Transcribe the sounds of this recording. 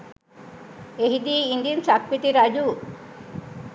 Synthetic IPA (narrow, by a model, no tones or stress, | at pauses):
eɦid̪iːnd̪insakpit̪iɾad͡ʒu